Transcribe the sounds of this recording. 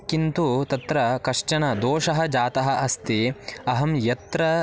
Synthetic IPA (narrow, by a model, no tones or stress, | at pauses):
kint̪ut̪ɐt̪ɾɐkɐʂʈɐnɐd̪oːʂɐɦɐ̆d͡ʒaːt̪ɐɦɐ̆ʔɐst̪iɐɦɐmjɐt̪ɾɐ